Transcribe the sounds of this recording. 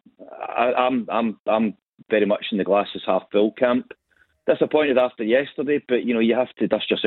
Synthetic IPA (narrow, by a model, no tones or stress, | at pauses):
a̰ʔã̰ɪ̃mãɪ̃mãɪ̃ɱ | vɛɹimʌt͡ʃɪ̃n̩ðəɡlˠasɪz̥haffɪlˠkʰãmp | ðasəpʰɔ̃ɪ̃nʔwɪðaftə˞jɛstə˞deb̥ʌʔjɨñojəɦaftʰədʌsʒ̥əs